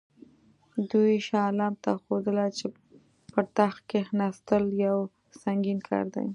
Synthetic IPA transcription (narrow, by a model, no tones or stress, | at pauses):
d̪ujʃɑlɑmt̪axod̪əlat͡ʃe | pət̪axkexnɑst̪əljaw | saŋɡinkʰɑ̰ɾd̪a̰j